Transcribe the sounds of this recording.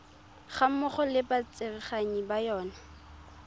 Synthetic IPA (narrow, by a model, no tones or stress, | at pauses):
χam̩mʊχɔlɪbat͡sʼɪrɪχaɲibajɔːna